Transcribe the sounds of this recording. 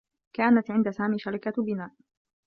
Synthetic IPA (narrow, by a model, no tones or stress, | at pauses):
kaːnat̪ʕɪnd̪asaːmiːʃaɾˤɪkabɪnaːʔ